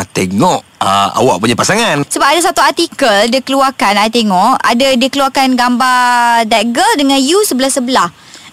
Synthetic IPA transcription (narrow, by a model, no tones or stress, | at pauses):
t̪eŋɔʔəa̰waʔ̚puɲapasaŋãnsəbap̚adasat̪uart̪ikəldikəluakanajat̪eŋɔʔa̰dadikəluakanɡambadɛɡəldəŋãnjusəbəlahsəbəlah